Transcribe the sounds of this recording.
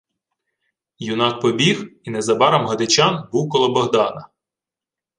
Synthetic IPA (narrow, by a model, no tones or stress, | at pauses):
junɑk̚pɔbʲixinɛzɐbɑɾɐmɦɐd̪ɪt͡ʃɑnbuwkɔlˠɔbɔɦd̪ɑnɐ